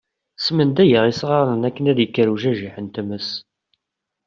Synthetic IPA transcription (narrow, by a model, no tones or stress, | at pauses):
smənd̪æjəʁisʁɑɾˤənækːənæðjəkːəɾuʒæʒiħənt̪əməs